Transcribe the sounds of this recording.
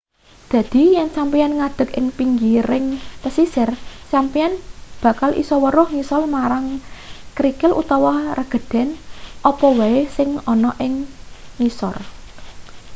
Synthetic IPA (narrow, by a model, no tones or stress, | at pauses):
d̪̥ä̤d̪̥i̤jɛnsampianŋad̪̥ə̤kɪŋpiŋɡiɾɪŋp̪əsisɪrsampianb̥ä̤kalʔḭsɔwəɾʊhŋisɔlmaɾaŋkɾikɪlʔṵt̪ɔwɔrəɡ̥ə̤d̪̥ɛ̤nʔɔpɔwaesɪŋɔnɔʔɪŋːisɔr